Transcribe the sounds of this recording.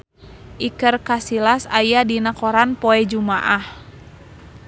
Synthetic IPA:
ʔikərkasilasajadinakɔɾanpɔɛd͡ʒumaʔah

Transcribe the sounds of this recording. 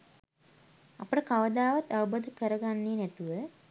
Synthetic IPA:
apəʈəkaʋəd̪aːʋat̪ːaubod̪əkəɾəɡanːeːnæt̪uʋə

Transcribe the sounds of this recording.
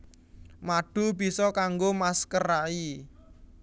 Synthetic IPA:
maɖ̥ṳb̥i̤sɔkaŋɡomaskəɾai

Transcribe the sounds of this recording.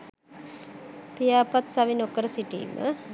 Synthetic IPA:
pijaːpat̪saʋinokəɾəsiʈḭːmʔə̰

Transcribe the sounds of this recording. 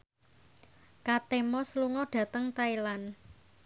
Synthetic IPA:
kat̪emɔsəluŋɔɖ̥ä̤t̪əŋt̪ailan

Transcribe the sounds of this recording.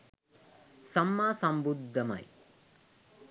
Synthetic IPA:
sɐmːaːsɐmbud̪ʱːɐmɐ̰j

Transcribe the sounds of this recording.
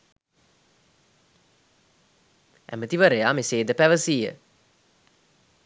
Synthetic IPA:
ʔæ̰mət̪iʋəɾejaːmeseːd̪əpæʋəsiːə̰

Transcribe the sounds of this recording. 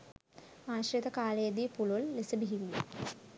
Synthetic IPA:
aːɕɾɐt̪ɐkaːleːd̪ipuɭolːesɐbiɦiʋi

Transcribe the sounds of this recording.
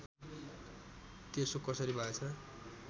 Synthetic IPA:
t̪esokʌsʌɾibʱʌet͡sʰʌ

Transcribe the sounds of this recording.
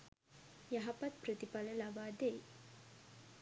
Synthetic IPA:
jɐɦɐpɐt̪̚pɾət̪ipaləlaʋaːd̪eː

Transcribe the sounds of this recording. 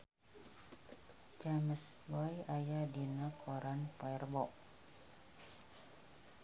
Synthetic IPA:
t͡ʃaməswɔjajadinakʰɔɾanpaɛrbɔʔ

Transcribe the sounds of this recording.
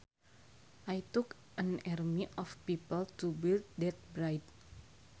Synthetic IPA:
ʔajt̪uk | ʔãnarmiʔɔfpipəltubild̚dɛt̪̚bɾajd

